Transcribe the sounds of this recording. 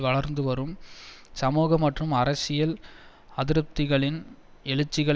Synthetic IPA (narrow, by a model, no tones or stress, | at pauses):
ʋɐɭɐɾnd̪ɯʋɐɾɯmsɐmuːɣɐmːɐʈrɯmɐɾɐsɪjɐl | ɐðɪɾɯp̚t̪ɪɣɐɭɪn | ɛɭɯt͡ʃːɪɣɐɭ